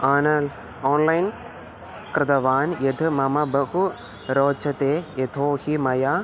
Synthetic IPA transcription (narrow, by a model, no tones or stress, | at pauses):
aːnɐl | oːnlɐjn | kɾɪd̪ɐʋaːnjed̪ʰʱɨmɐmɐbɐhu | ɾoːt͡ʃʰɐt̪eːjet̪ʰoːhimɐjaː